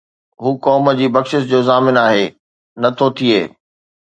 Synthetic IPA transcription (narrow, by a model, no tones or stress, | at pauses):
ɦuːkɔːməd͡ʑiːbɐkʃɪsd͡ʑoːzaːmɪnaːɦeː | nɐt̪ʰot̪ʰiḛː